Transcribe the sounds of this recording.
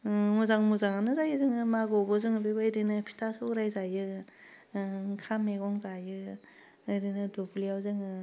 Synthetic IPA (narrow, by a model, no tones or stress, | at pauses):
muzaŋmuzaŋanɯzajɯzɯŋɯmaɡɔbɔzɯŋɯbebɯjɾinɯpʰi̥tʰasɯuɾajzajɯ | kʰameɡɔŋzajɯː | jɾinɯdubliawzɯŋɯ